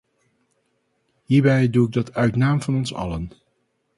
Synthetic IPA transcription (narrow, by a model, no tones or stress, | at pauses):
ɦiːɹbɛjduɪɡ̚dɑtʰœɥtnaːmv̥ɑnɔnsɑ̰lən